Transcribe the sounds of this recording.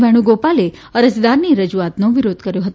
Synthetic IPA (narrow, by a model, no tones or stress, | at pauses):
ʋʱɛɽ̃ũɡopale | əɾəd͡ʒd̪aɾniɾəd͡ʒuat̪noʋiɾod̪ʱkəɾjoɦət̪